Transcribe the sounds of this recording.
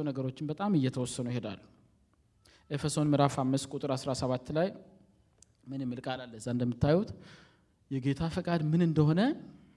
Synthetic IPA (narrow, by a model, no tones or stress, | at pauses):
wnəɡəɾo̞t͡ʃːɪnbət̪ʼamɨjːɛt̪ʰəwɔsːənujɪhe̞d̪a̰lːu | ʔefəso̞nmɨɾafamːɨskʷʼut̪ʼɨɾasɾasəβat̪ːlaj | mɨnɨmːɨlkʼalalːəzːand̪əmːɨt̪ːajut̪ | jɛɡe̞t̪ʰafəkʼad̪mɨnɨnd̪əho̞nə